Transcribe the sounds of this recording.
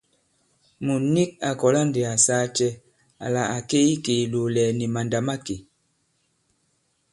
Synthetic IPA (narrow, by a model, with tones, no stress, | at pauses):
mu˨ni˦k̚a˨kɔ˨la˦nde˨a˨saː˦t͡ʃɛ˦ | a̰˨la˨a˨ke˦i˦ke˨lo˨lɛ˨ni˨ma˨nda˨ma˦ke˨